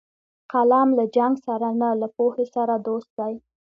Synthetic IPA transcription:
qalɑmlad͡ʒaŋɡsaɾanalapohesaɾad̪ost̪̚d̪aj

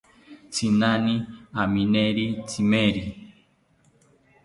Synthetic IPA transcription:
t͡sinaniaminɛɾitimɛɾi

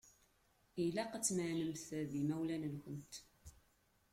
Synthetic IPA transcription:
ilæqət͡sːməʕnəmθðimæwlænənxənt̪

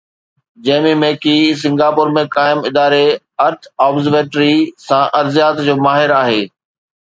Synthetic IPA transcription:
d͡ʑɐːmimẽːkis̬ɪ̃ŋɡaːpʊɾmẽkaːɪmɪd̪aːɾe | ɐɾʈʰaːbzəɾʋeːʈɾisãʔɐɾzijaːt̪d͡ʑoːmaːɦɪɾaːɦeː

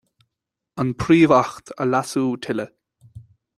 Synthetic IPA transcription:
ənpʰɾiːvaxt̪ʰə̰lasuːt̪ʰɪlə

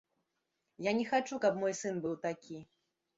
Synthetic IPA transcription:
janʲɛxat͡ʂukɐpmɔjsɨnbɨwt̪akʲi

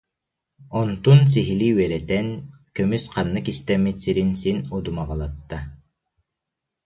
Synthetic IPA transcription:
ɔnt̪unsiɦiliwɛɾɛt̪ɛnkømysqʰɑnːɯkist̪ɛmisiɾinsinud̪umɑʁɑlˠɑt̪ːa

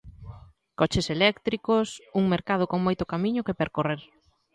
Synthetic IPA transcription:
kɔt͡ʃeselɛkt̪ɾikosuŋmeɾkaðokoŋmojt̪ʊkamiɲʊkepeɾkoreɾ

